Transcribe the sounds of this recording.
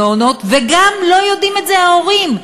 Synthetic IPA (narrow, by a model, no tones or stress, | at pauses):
ono̞t̪veɡamlo̞jo̞d̪imet̪zeao̞ʁim